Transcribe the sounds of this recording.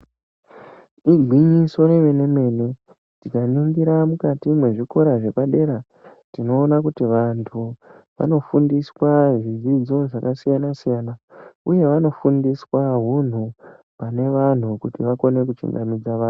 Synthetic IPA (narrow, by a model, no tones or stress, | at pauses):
iɡʱwiɲiso̞ɾe̞me̞ne̞me̞ne̞ | tikanuŋɡiɾamukatimwe̞ʐiko̞ɾaʐe̞paɗe̞ɾa | tino̞ːnakutiʋantʰuʋa̰no̞fundiswaʐid͡zid͡zo̞ʐakasijanasijanauje̞ʋano̞fundiswaɦun̤u | pane̞ʋan̤ukutiʋako̞ne̞kut͡ʃṵŋɡamid͡zaʋaːn